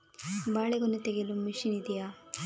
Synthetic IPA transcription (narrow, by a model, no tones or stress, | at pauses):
baːɭeɡonːut̪eɡelumiʃinid̪ija